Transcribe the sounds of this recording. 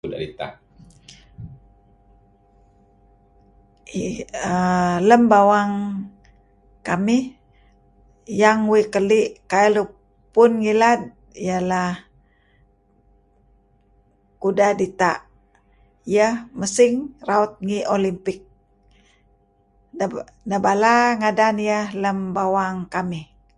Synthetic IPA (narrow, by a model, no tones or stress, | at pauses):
uda̰dit̪a̰ʔ | ələmbawaŋ | kamih | jaŋwikəliʔkajlu | pʊnŋilad̪̚ | ijalah | kudadit̪a̰ʔ | ijəhməsɪŋraut̪̚ŋiʔolimpɪk̚ | nəbalaŋadanijəhləmbawaŋkamɪh